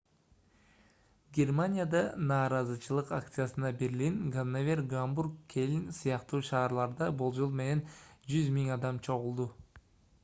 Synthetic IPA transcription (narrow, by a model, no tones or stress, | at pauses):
ɡʲe̞rmanʲijad̪ɑnɑːɾɑzɯt͡ʃʰɯlˠɯqak̚t̪sɨjasɯnɑbe̞ɾlinɡanːavʲerɡamburkkʰːe̞linsɯjɑqt̪uːʃɑːɾlˠɑɾd̪ɑbolˠd͡ʒo̞lˠme̞ne̞nd͡ʒyzmiŋɑd̪ɑmt͡ʃʰo̞ʁulˠd̪u